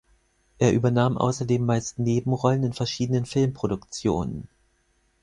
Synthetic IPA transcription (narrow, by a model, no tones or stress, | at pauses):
ʔeːɐʔyːbɐnaːmʔa̰ʊsɐdeːmːaɪstneːbm̩ʁɔlənɪnfɛɐʃiːdənənfɪlmpʁ̥oɾʊkt͡sjo̰ːnə̰n